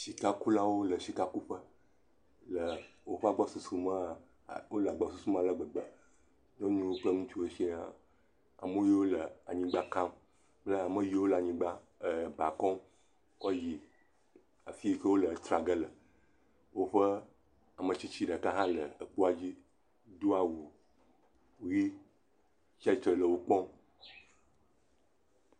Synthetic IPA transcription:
ʃi˨ka˦ku˦la˦wo˦lə˨ʃi˨ka˦ku˦ɸə˦ | lə˨wo˦ɸa˨ɡ͡bɔ˦su˨su˦mə˦˨ | wo˦lə˨a˨ɡ͡ba˨su˨su˦m˦a˨lə˨ɡ͡bə˨ɡ͡bə˨ | ɲɔ̃˦ɲũ˦wo˦k͡pə˦ŋũ˦t͡ʃu˦e˦ʃi˦ã˦ | a̰˨mo˦je˦wo˦lə˨a˨ɲĩ˦ɡ͡ba˦ka˦m | k͡plə˦a˨mə˦ji˦wo˦la˨ɲĩ˦ɡ͡ba˦ | ə˨ba˨kɔ̃˦m | ɔ˦ji˨ | a˨fi˦kə˦wo˦lə˨t̪ɾa˨ɡə˦lə˨ | wo˦ɸə˦ | a˨mə̃˨t͡ɕi˦t͡ɕi˦ɖə˨ka˦ɦã˦lə˨ə˨k͡po˦a˨d͡ʑi˦ | d̪o˦a˨wu˨ | wo˦ji˦ | t͡ʃa˦i˨t̪ɾə˨lə˨wo˦k͡pɔ˦m

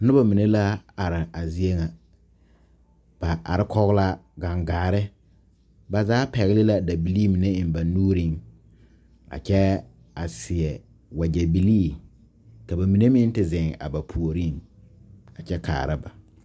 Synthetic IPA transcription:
nʊ˦ba˨mi˨ne˦la˦a˨ɾɪ˨a˨zi˦e˦ŋa˨ | b̥a˨ʔa̰˨ɾɪ˦kʰɔ˦ɣɪ˦la˦ɡa˨ŋɡaː˨ɾɪ˦ | ba˨zaː˦pɛ˨ɣɪ˦lɪ˦la˦da˨bi˨liː˦mi˨ne˦ɪ˨mba˨nuː˦ɾi˦˨ŋ | a̰˨t͡ʃɛ˦ | a˨sɪ˨ɛ˨ | wa˨d͡ʒɛ˨bi˨liː˦˨ | ka˨ba˨mi˨ne˦mɪ˦n˦tɪ˨zɪ˨ŋ˨a̰˨ba˨pʰu˨o˨ɾi˦ŋ | a˨t͡ʃɛ˦kʰa̰ː˨ɾa˦ba̰˨

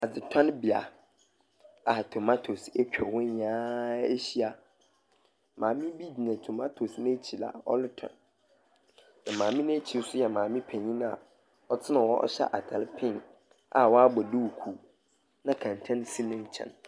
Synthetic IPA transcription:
a˨d͡zɪ˨tʰã˦nbi˨a̰˨ | a˨tʰo˨ma˦tʰo˨se˦kᶣɛ˨wʊ̃˦ãː˦e˦ɕi˦a˨ | mʔãː˨mɪ̃˦bi˦d͡ʑi˨nɛ̃˨tʰo˨ma˦tʰo˨snɪ̃˦t͡ɕʰi˨la̰˨ɔ̰˦lɪ˦tʰɔ̰̃˨n | nã˨mãː˨mɪ̃˦nẽ˦t͡ɕʰi˨˦sʊ˦jɛ˨mãː˨mɪ̃˦pʰɛ̃˨ɲĩ˦ñ˦a̰˨ | ɔ˦tʰɪ˦nã˨wɔ˦ʔɔ̰˦ɕɛ̰˦ʔa˨tʰa˨lɪ˦pʰɪ̃˦n | a̰˨wɔ˦a˦bɔ˨du˦wkʰu˦ | nã˦kʰã˨n˨tʰã˦n˦si˦nɪ̃˦n˨t͡ɕʰɛ̰̃˨n

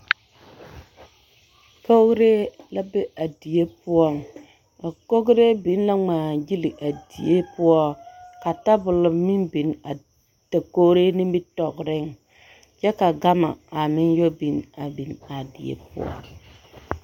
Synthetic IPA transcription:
ko˦ɾe˦la˦be˦ʔa˨di˨e˦pʊ˦ɔ˦˨ŋ | a˨ko˦ɡɾe˦bi˨˦n˦la˦ŋ͡maː˨ɡi˦li˨ʔa˨dḭ˨je˦pʊ˦ɔ˦ka˨ta˦bʊ˨lʊ˨mi˦mbi˨˦na˨ | ta˨ko˦ɾe˦nɪ˦bi˦tɔ˨kɾɪ˦ŋ | t͡ʃɛ˦ka˨ɡa˦ma̰˨a˨mɪ˦njo˦bi˨˦na˨bi˨na˨dḭ˨ḛ˦pʊ̰˦ɔ̰˦˨ŋ

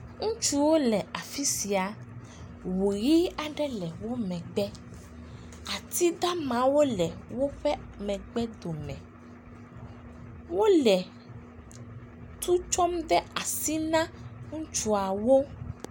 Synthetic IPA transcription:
ŋũ˦t͡ʃu˦wo˦lɛ˨a˨fi˦si˨a˨ | wu˨ji˦a˨ɖɛ˦lɛ˨wo˦mɛ̃˨ɡ͡bɛ˦ | a˨t̪i˦d̪a˦mã˨˦wo˦lɛ˨wo˦ɸɛ˦mɛ̃˨ɡ͡bɛ˦d̪o˨mɛ̰̃˨ | wo˦lɛ˨ | t̪ʰu˦t͡ʃɔ˦mɖ̪ɛ˦a˨si˦nã˦ŋũ˦t͡ʃu˦a˨wo˦

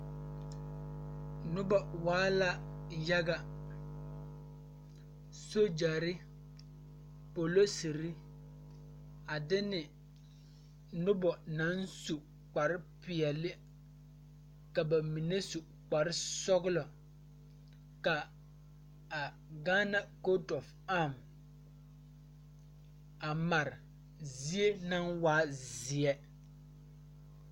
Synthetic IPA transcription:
nʊ˦bɔ˨waː˦la˦ja˦ɡa˦ | so˦d͡ʒa˨ɾɪ˦ | po˨lo˦si˨ɾi˦ | a˨dɪ˦nɪ˨ | nʊ˦bɔ˨na˨˦nsu˨ | k͡pa˨ɾɪ˦pɪ˨ɛ˨lɪ˦ | ka˨ba˨mi˨ne˦su˨ | k͡pa˨ɾɪ˦sɔ˦ɣʊ˦lɔ˨ | ka˨ | a˨ | ɡaː˦na˦ko˦tɔ˨f | a˦˨m | a˨ma˨ɾɪ˨ | zi˦e˦na˦nwaː˦zɪ˨ɛ˦

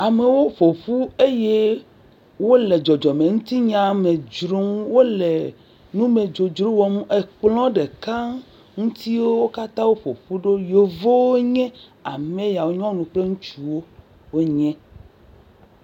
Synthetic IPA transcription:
a˨me˨wo˦ɸo˨ɸu˦e˦je˦ | wo˦le˨d͡ʒɔ˨d͡ʒɔ˨mẽ˨ŋũ˦t̪i˦ɲã˨mẽ˨d͡ʒɾo˦m˦wo˦le˨ | nũ˦me˨d͡ʒo˨d͡ʒɾo˦wɔ˨mũ˦ʔe˨k͡plɔ̃˦ɖe˨ka˦ | ŋũ˦t̪i˦wo˦wo˦ka˦t̪ã˦wo˦ɸo˨ɸu˦ɖo˦jo˨vo˦wo˦ɲɛ̃˦a˨mẽ˦ja˨wo˦ɲɔ̃˦nũ˨k͡ple˦ŋũ˦t͡ʃu˦wo˦ | wo˦ɲɛ̃˦

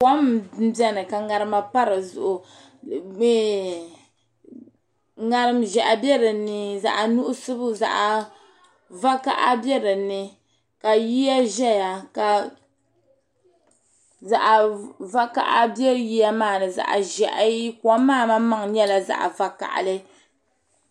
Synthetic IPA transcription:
kɔ˦m˦bɛ˦nɨ˨ka˨ŋa˨ɾɨ˦ma˦pa˦ɾɨ˨zʊ̰˨ʔʊ˨˦ | ŋa˦ɾɨ˦mʒɛ˨ʔa˨bɛ˦ɾɨ˨nɨ˦za̰˨ʔa˨nu˦ʔʊ˦sɨ˦bɨ˦za̰˨ʔa˨ | va˦ka˦ʔa˦bɛ˦ɾɨ˨nɨ˦ | ka˨ji˦ja˦ʒɛ˦ja˨ka˨ | za˨ʔa˨va˦ka̰˦ʔa˦bjɛ˦ɾɨ˨ji˦ja˦maː˦˨nɨ˨za̰˨ʔa̰˨ʒɛ˨ʔa˦ji˦ka˦maː˦˨ma˦ma˦ŋɲɛ˦la˨za̰˦˨ʔa̰˨va˨ka̰˨ʔa̰˨lɨ˦

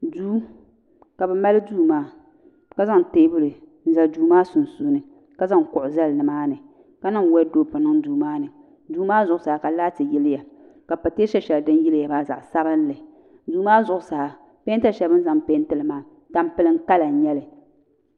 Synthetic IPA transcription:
duː˦ | ka˨bɛ˨ma˦lɨ˦duː˦maː˦ | ka˦za˦ŋ˨teː˦bʊ˦lɨ˨ | n̩˨za˨lduː˦maː˦sʊ˨nsuː˦nɨ˨ | ka˦za˦ŋkʊ˨ʔʊ˨za˦lnɨ˨maː˦nɨ˨ | ka˦nɨ˦ŋ˨wɛ˦do˦pʊ˨nɨ˦ŋduː˨maː˦nɨ˨ | duː˨˦maː˦zʊ˨ʔʊ˨saː˨a˨ka˨la˦tɨ˨jɪ˦lɪ˦ja˨ | ka˨pa˨teː˦ʃɛ˦ʃɛ˨ldɨ˦n˦ji˦lja˨baː˦za̰˨ʔsa˦bɨ˦n˦lɨ˨ | duː˨maː˦zʊ˨ʔʊ˨sa˨a˨ | peː˦n˦ta˦˨ʃɛ˨bɨ˦n̩˦za˦ŋpeː˦n˦tɨ˦lɨ˨maː˦˨ | ta˨mpɨ˨˦lɨ˦ŋ̩˦ka˦la˨ɲɛ˦lɨ˨

